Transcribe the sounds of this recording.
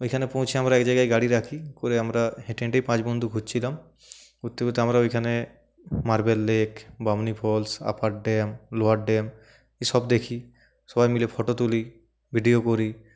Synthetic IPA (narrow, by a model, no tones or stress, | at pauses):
ojkʰanepow̃t͡ʃʰiamɾaɛkd͡ʒajɡajɡaɽiɾakʰikoɾeamɾaɦẽʈẽɳʈeipãt͡ʃbɔnd̪ʱuɡʱud͡ʒt͡ʃʰilam | ut̪ːekut̪ːeamɾaojkʰane | maɾbelːekbamnipʰɔlsa̰paʈ̚ɖɛmloaʈɖɛm | isɔbd̪ekʰi | sɔbajmilepʰɔʈot̪uli | bʱiɖiokoɾi